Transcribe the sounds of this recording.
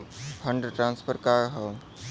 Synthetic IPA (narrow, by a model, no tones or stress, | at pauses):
pʰə̃ɳɖɾʈɾãːnspʰəɾkaɦə